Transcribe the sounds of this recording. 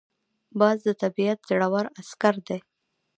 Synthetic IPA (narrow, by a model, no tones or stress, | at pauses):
bɑzd̪ət̪abiat̪̚zaɽawaɾaskaɾd̪e